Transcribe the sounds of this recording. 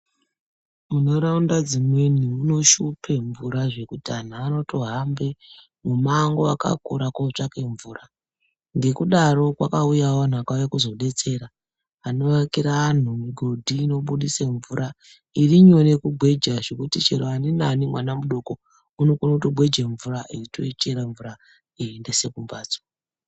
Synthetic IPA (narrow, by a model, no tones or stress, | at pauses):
muno̞ɾaundad͡zimweniːno̞ʃupʰe̞ɱvuɾaʐe̞kutan̤aːno̞tʰo̞ɦambe̞ | mumaːŋɡoa̰ka̰kuɾakot͡ʂake̞ɱvuːɾa | ŋɡe̞kuɗaɾo̞kwa̰kaujawoan̤uakajekuzo̞ɗe̞t͡se̞ɾaː | noakiɾaːn̤umiɡʱo̞dʱiːno̞ɓuɗiseɱvuɾa | iriɲo̞ne̞kuɡʱwe̞d͡ʒaʐekutit͡ʃeɾoaninanimwanamuɗo̞ko | unokunotoɡ͡bʱwe̞d͡ʒeɱvuɾaʔiritoit͡ʃeɾaɱvuɾa | iendese̞kumbaːt͡so̥